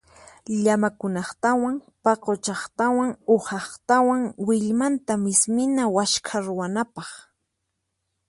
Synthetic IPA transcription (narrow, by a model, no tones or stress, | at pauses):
ʎamakʊnɑχt̪awaŋ | pɑqot͡ʃɑχt̪awaŋʊhɑχt̪awaŋwɪʎmant̪amɪsmɪnawaʃkʰaɾʊwanapɑχ